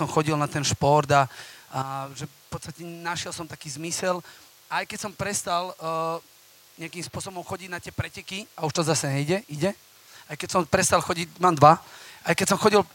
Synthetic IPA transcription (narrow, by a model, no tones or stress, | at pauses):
ɔmxɔɟilnat̪ɛnʃpɔɾd̪aaʒɛ | pɔt̪st̪acɛnaʃɪɛlˠsɔmt̪akiːzmisɛl | ajkɛcsɔmpɾɛst̪al | ɲɛakimspʊɔsɔbɔmxɔɟiɟnat̪ɪɛpɾɛcɛkiauʃt̪ɔzasɛɲɛiɟɛʔiɟɛ | ajkɛcsɔmpɾɛst̪alxɔɟiɟmaːmd̪ʋaajkɛcsɔmxɔɟil